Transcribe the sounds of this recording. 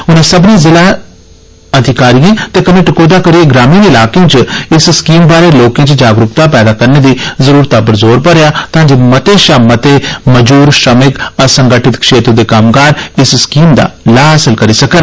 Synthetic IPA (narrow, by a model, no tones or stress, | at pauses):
ʊnãːsəbnĩːzɪlaː | əd̪ʱɪkaːɾijãːt̪eːkəneːʈɪkoːd̪aːkəɾieːɡɾaːmĩːnɪlaːkẽːt͡ʃɪsskiːmbaːɾeːloːkẽːt͡ʃd͡ʒaːɡɾʊkt̪aːpɛːd̪aːkəɾneːd̪iːzəɾuːɾt̪aːpəɾzoːɾpəɾejaːt̪ɦãːd͡ʒoːmət̪eːʃaːmət̪eːməd͡ʒuːɾʃəmɪkəsəŋɡəʈɪt̪kʃeːt̪ɾod̪eːkaːmkaːɾɪsskiːmd̪a̰ːlaːɦəsəlkəɾiːsəkən